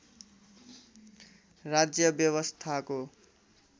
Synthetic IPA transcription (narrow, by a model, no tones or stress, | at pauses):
rad͡zjʌbjʌβʌst̪ʰako